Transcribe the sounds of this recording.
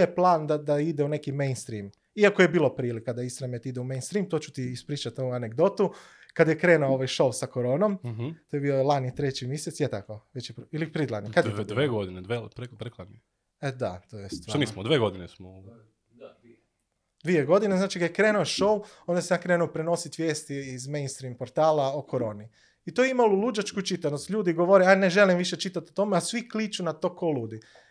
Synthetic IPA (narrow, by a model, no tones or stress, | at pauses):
jeplˠaːnd̪ad̪aid̪eunekimejnst̪ɾiːm | iakoje̞biːlˠopɾiːlikːad̪aist̪ɾamet̪id̪eumejnst̪ɾiːmt̪o̞ːt͡ʃu̥t̪iːspɾiːt͡ʃat̪ouaneɡd̪o̞t̪u | kad̪jekɾe̞ːnuooʋajʃo̞wsakoɾo̞ːnomt̪oːjebiolˠanit̪ɾe̞t͡ɕimjeset̪sjet̪akoʋet͡ɕjepɾilipɾid̪lˠanikad̪d̪ʋeːɡod̪ined̪ʋepɾepɾeklˠani | ed̪at̪ojest̪ʋnismod̪ʋeːɡod̪inesmo | d̪ʋieɡo̞d̪ineznaːt͡ʃikad̪jekɾeːnuoʃo̞wond̪aseakɾeːnupɾeno̞sit̪ʋje̞ːst̪iːzmejnst̪ɾiːmpoɾt̪aːlaokʰoɾo̞ːni | it̪ojeimalulˠud͡ʒat͡ʃkut͡ʃit̪anost̪ʎʲuːd̪iɡoʋoɾeaneʒelimʋiʃe̞t͡ʃit̪at̪ot̪o̞measʋiklit͡ʃunat̪okoluːd̪i